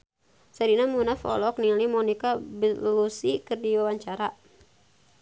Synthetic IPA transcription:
saɾinamunafɔ̰lɔk̚nilimɔnikabəlusikɨrdiwawaɲt͡ʃaɾa

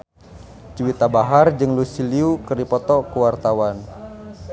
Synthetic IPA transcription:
t͡ʃuwit̪abaɦard͡ʒɨŋlusiliukərdipɔt̪ɔkuwart̪awan

